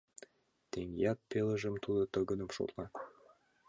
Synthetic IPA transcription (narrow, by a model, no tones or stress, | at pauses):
t̪eŋjɑt̪̚pelə̆ʒə̆mt̪ud̪ɤ̆t̪ɤ̆ɡə̆nə̆mʃo̰t̪lɑ